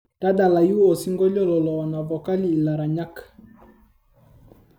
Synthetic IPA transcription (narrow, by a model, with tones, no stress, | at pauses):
da˦da˨la˨ju˦ɔ˨si˦ŋɡɔ˦ʎɔ˦lɔ˨lɔː˨na˨vɔ˨ka˦li˦i˨la˨ɾa˨ɲa˦k